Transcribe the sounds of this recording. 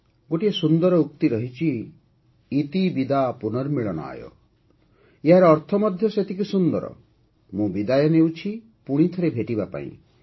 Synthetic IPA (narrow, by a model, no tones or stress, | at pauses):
ɡoʈiesund̪ɔɾɔukt̪iɾɔɦit͡ʃʰiː | t̪ibid̪apunɔɾmiɭɔñɔ̰a̰jɔ̰ | eɦaɾɔːɾt̪ʰɔmɔd̪ʱjɔset̪ʰikusund̪ɔɾɔ̰ | mũbid̪ajɔnewt͡ʃʰi | puɽ̃it̪ʰɔɾebʱeʈibapa̰ḭ̃